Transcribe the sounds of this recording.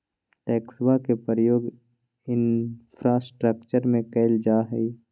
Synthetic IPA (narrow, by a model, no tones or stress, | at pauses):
ʈɛːkswakepəɾəjoːɡ | ɪnpʰɾaːsʈɾəkt͡ʃəɾmẽkɛɪld͡ʒaːɦɛ̰i